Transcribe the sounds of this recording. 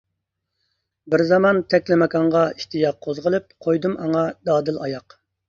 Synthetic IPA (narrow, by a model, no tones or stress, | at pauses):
bɪɾzɑmɑnt̪ʰɛkʲlɪmɛkɑɴʁɑiʃt̪ijɑq̚ʰːozʁəlˠɨp̚qʰojd̪umɑŋɑd̪ɑːd̪ɨlɑjɑq